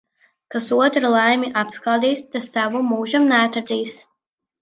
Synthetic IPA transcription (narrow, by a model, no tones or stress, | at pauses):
kasuɔt̪ɾalˠajmʲiʔapskaːd̪iːst̪asavumːuːʒamnæːt̪aɾd̪iːs